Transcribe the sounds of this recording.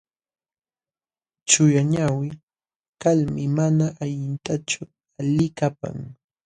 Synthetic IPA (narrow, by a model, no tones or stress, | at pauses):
t͡ʃʊjaɲawɪ | kalmɪmanaʔaʎɪnt̪at͡ʃʊ | alɪkapa̰ŋ